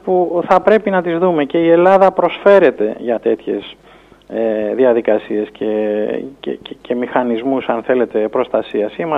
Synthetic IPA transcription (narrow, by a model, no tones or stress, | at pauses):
puθɐpɾe̞pinɐt̪izðume̞ce̞ie̞lɐðɐpɾo̞sfe̞ɾe̞t̪e̞ʝɐt̪e̞t̪çe̞s | eðiɐðikɐsie̞scʰecḛccʰe̞mixɐnizmusɐnθe̞le̞t̪e̞pɾo̞st̪ɐsiɐsimɐ